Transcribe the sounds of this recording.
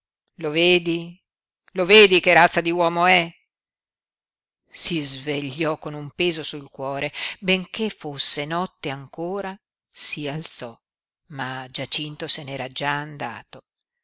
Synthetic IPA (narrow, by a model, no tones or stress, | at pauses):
loveːd̪i | loveːd̪ikeɾat̪sːad̪iwɔːmoɛ | sizveʎːɔkonumpeːzosulkwɔːɾebeŋkefosːenɔt̪ːeaŋkoːɾa | sialt̪sɔ | mad͡ʒat͡ʃint̪osenɛːɾad͡ʒaːnd̪a̰ːt̪o